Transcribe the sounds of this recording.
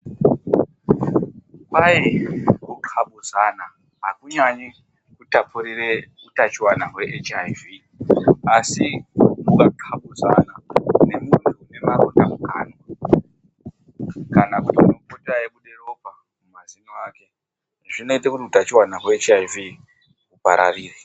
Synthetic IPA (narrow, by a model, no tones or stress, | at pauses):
kajikuǃʰaɓuzana | ɦakuɲaɲi | kutapʰuɾire | utat͡ʃiwanaɦwe̞ʔet͡ʃajvi | asimukaǃʰaɓuza̰nane̞muntʰune̞maɾo̰ndamukaːno | kanakutiunopoterajekuɗero̞pa | mumaziniwaːke̞ | ʐino̞itekutiutat͡ʃiwanaɦweet͡ʃajvi | upa̰ɾa̰ʋiːri